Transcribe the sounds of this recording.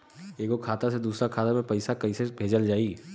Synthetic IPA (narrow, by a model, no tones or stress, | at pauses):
eːkokʰaːt̪ased̪uːsɾakʰaːt̪amẽpɐɪsakɐɪsebʱeːd͡ʒəld͡ʒaːi